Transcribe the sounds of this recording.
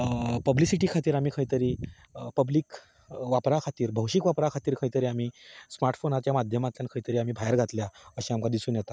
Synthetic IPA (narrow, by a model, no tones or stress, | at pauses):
pəblisiʈiːkʰat̪iːɾam̤iːkʰəjt̪əɾiː | pəbliːk | ʋapɾakʰat̪iːɾbʱəwɕikʋapɾakʰat̪iːɾkʰəjt̪əɾiːam̤iːsmaɾʈfonat̪jamad̪ʱjəmat̪ljankʰəit̪əɾiːam̤iːbʱajəɾɡʱat̪ljaəɕĩamkʰad̪isuːnjɛt̪a